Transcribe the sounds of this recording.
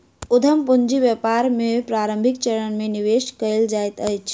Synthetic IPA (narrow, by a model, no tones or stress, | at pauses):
ʊd̪ʱəmpuɲd͡ʒiʋjəpaɾmẽpɾaːɾə̃mbʱikt͡ʃəɾənmẽniʋeʃkəɪld͡ʒajt̪ət͡ʃʰ